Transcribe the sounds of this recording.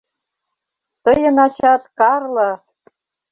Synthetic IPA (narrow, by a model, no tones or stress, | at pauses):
t̪ɤjɤ̆nɑt͡ɕɑt̪kɑrlɤ̆